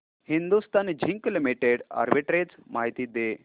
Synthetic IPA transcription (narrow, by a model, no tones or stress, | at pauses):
hind̪ust̪and͡ʑʱiŋklimiʈeɽa̰ɾbiʈɾed͡zmaɦit̪iːd̪e